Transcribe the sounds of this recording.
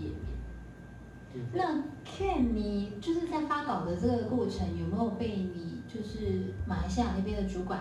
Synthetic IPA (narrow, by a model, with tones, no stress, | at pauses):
ɛ˨˩pjɛ̰˥˩˥ | ɑ˥˧ŋkʰɛ˥˩nni˨˩˦t͡ɕjʊʂɻ̩˥˩tʰa˥˩ɪfʰa˥kɑ˨˩ʊd̪ə˦ʈ͡ʂɤ˥˩ɡə˩kwɔ˥˩ʈ͡ʂʰɤ˧˥ŋjo˨˩ʊme˧˥jo˨˩ʊpe˥˩ɪni˨˩t͡ɕjo˥˧ʊʂɻ̩˥˩ma˨˩i˧˥ɕ̬ja˥˩na˥˩pjɛ˥nd̪ə˨˩ʈ͡ʂu˧˥kwa˨˩˦